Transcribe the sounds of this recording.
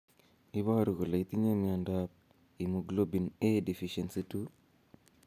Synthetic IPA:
i˦βa˦ɾu˨ɣu˨la˨it̪i˦ɲe˦miandap̚ | i˨muɡlo˦bi˨ne˦di˨fiʃensitu

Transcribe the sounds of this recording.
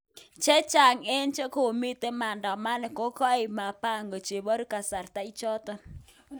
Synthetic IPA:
t͡ʃɛ˦t͡ʃa˨ŋe˦nt͡ʃe˦ko˨mi˦t̪e˦ma˨ndɔ˨ma˦nɛ˨ko˦kɔ˦˨ma˨pa˦˨ŋɡo˨t͡ʃe˨bɔ˦ɾu˦ka˨sa˨rt̪a˦i˦t͡ʃɔ˦t̪ɔ˦

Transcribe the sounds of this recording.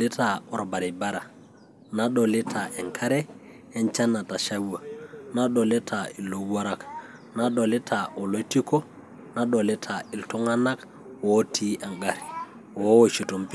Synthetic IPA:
li˦ta˨ɔ˨ɾba˨ɾi˨ba˦ɾa˨ | na˦ɗo˨li˦tʰa˨ʔe˨ŋkʰa˦ɾɛ˦ | e˦nt͡ʃa˦na˨ta˨ʃa˦wa˨na˦ɗo˨li˦tʰa˨i˨lːo˨˦a˦ɾa˦k | na˦ɗo˨li˦tʰa˨ʔo˨lo˦ti˦ko˦ | na˦ɗo˨li˦tʰa˨i˨ltu˦ŋa˦na˦k | wo˦tʰi˦ʔa˨ŋɡa˨ɾi | wo˦wo˨t͡ʃi˨to˨mpi˦

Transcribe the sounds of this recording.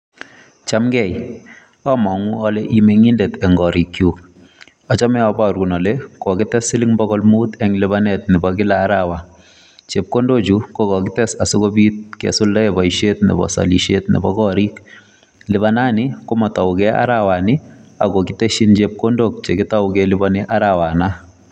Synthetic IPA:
t͡ʃa˦mɡɛ˨j | ɔ˦mɔ˨ŋu˦ɔ˦le˦ʔi˦me˨ŋi˦nde˨tɛ˨ŋɡɔ˨ɾi˨kju | ɔ˨t͡ʃɔ˦mɛ˦ɔba˦ɾku˨nɔ˨le˦kɔ˨kɪ˦tɛ˦sɪ˦lɪ˦ŋbɔ˦ɣɔ˦lmu˦t̪ɛ˦ŋlɪ˦ba˦nɛ˨t̪̚nɪ˨bɔkɪ˦laː˦ɾawa˨ | t͡ʃe˨p̚ko˦ndo˦t͡ʃu˦ko˦kɔ˨kɪ˦tɛ˦sa˨so˦ko˦bi˦t̪̚kɛ̰˨sʊ˦lda˦ɛbɔ˨iʃe˦tnɪ̰˨bɔ̰˨sa̰˨li˨ʃetnɪ̰˨bɔkɔ˦ɾi˦k | lɪ˨βana˦nɪ˦ko˦mɔ˨tɔ˨wkɛ˦a̰˦ɾawa˨nɪ˦a̰˨kɔ˨kɪ˦te˦ʃi˦nt͡ʃe˨p̚ko˦ndo˨k̚t͡ʃe˨kɪta˦ʊkɛlɪbɔnɪʔa˦ɾawa˨na˦

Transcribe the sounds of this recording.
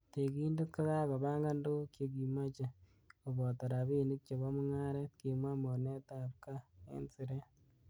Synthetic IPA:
te˨ki˦ndu˦t̚ka˦za˦kɔ˨ba˦ŋɡa˦ndo˦kje˨ɡi˨ma˦t͡ʃe˨ | o˨bɔ˨ta˨ɾa˨bi˦˨ni˦k̚t͡ʃɔ˨bɔ˦mʊ˦ŋa˦ɾɛ˦tki˨mwa˦mo˨ne˦ta˨p̚ka˦ɛ̰˦nsɪ˨ɾɛ˦

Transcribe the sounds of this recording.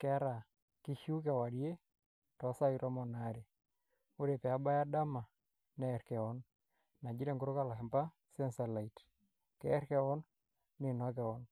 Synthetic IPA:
kɛ˦ɾa˨ | ki˦hu˦kɛ˨wa˨ɾje˦ | tɔ˨sa˦i˦ɾɔ˦mɔ˨na˨ɾe˨ | o˦ɾe˨pɛ˨a˦ba˦ja˦da˦ma˨ | nɛ˨ɾkɛ˨ɔ˦n | na˨d͡ʒi˦ɾe˦˨ŋɡo˦ɾo˦ka˦˨la˨kɛ˨mpa˦ | sɛ˦nsa˨la˨i˨t | kɛ˦ɾkɛ˦ɔ˦n | nɪ˨nɔ˦k̬ɛ˨ɔ˦n

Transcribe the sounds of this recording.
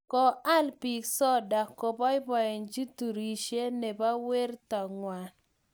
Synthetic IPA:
kɔ˨a˦lpi˨ksɔ˦da˨kːɔ˨bɔ˦ɪ˦bɔ˨ɛ˨nd͡ʒi˦tu˨ɾi˨ʃe˦ne˨ba˦we˦ɾtɔ˨ŋwa˨

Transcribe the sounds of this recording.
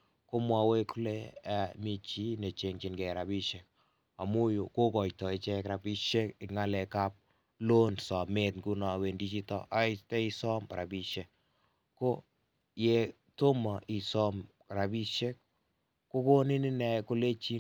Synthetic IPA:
ko˦mwa˨we˦ku˦le˦a˨mi˦t͡ʃi˦ne˨t͡ʃe˨ŋt͡ʃɪ˨nɡɛ˨ɾa˨bi˦ʃe˨k̚ | a˨mu˦jo˨ko˦kɔ˨jtɔ˨ɪ˦t͡ʃɛ˦kɾa˨bi˦ʃe˦kɪ˨ŋa˦lɛ˨ka˦p̚ | lo˦nsɔ˨me˦tŋku˦nɔ˨we˨ndi˦t͡ʃi˦tɔ̰˦ʔa˦ɪ˦tɛ˦i˧sɔ˦mɾa˨bi˨ʃe˨k̚ | ko˦ | je˨ | to˦ma˨ʔi˨sɔ˦m | ɾa˨bi˦ʃe˦k̚ | ko˦ko˦nɪ˦nɪ˦nɛ˨ko˦le˦t͡ʃi˦

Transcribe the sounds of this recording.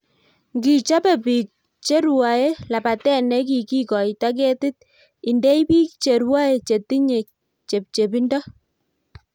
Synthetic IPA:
ŋɡi˨t͡ʃa˦pɛ˨pi˨k̚ | t͡ʃe˦ɾwa˨e˦la˨pa˨tɛ˦nɛ˦k̬i˨ki˦kɔ˨ita˦k̬e˦tɪ˦t̚ | i˨nde˦i˦pi˦kt͡ʃe˨ɾwa˦e˨t͡ʃe˨ti˦ɲe˨k̚ | t͡ʃe˨p̚t͡ʃe˨bi˦ndɔ˦

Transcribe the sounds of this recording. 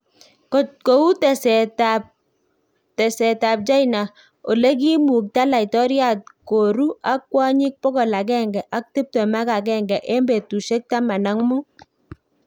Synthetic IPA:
ko˨tko˨u˦tɛ˨sɛ˨ta˨p̚ | tɛ˨sɛ˨ta˨p̚t͡ʃa˦jna˨ | o˨le˦k̬i˦mu˨k̚ta˦la˨i˨tɔ˦ɾja˦t̚ko˨ɾu˦ʔa˦kːwa˦ɲi˦k̚pɔ˦kɔ˨la˨k̬ɛ˦ŋɡɛ˨ʔa˦k̚tu˦p̚tɔ˨ma˦ka˨k̬ɛ˦ŋɡɛ˨ʔe˦mbe˨tu˨ʃe˦k̚ta˦ma˨na˦ŋmu˦

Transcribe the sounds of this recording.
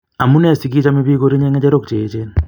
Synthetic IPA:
a˨mu˦ne˦˨si˨k̬i˦t͡ʃa˦mi˦βi˦ko˦ɾi˦ɲe˦ŋe˦t͡ʃe˦ɾo˦kt͡ʃeː˨t͡ʃe˦n

